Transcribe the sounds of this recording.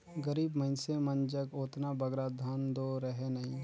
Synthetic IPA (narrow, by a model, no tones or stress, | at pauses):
ɡəɾiːbməɪnsemənd͡ʒəkoːt̪nabɐɡɾad̪ʱand̪oɾəɦenɐɦĩː